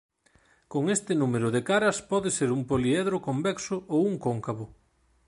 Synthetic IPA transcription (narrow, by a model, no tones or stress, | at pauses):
koŋest̪ɪnumeɾʊðekaɾɐspɔðeseɾumpoliɛðɾʊkombɛksʊowuŋkoŋkaβʊ